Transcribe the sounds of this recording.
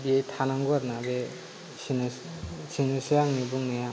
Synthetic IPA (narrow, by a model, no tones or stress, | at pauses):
bietʰanaŋɡuaɾnabe | sʰinusijaŋnibuŋnaja